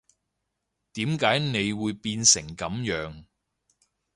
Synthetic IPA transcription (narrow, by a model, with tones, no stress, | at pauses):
t̪iː˨˥mkaː˨˥jne˨˧jwuː˨˧jpiː˧nsɪ˨˩ŋkɐ˨˥mjœː˨˥ŋ